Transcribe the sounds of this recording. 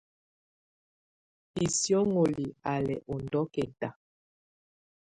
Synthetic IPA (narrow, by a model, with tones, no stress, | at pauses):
i˨sjɔ˦ŋo˨li˨a˨lɛ̰˨ʔɔ˨ndɔ˦kɛ˨ta˨